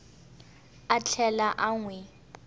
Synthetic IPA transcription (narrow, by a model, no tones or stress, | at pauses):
at͡ɬʰɛlaʔaŋwɛ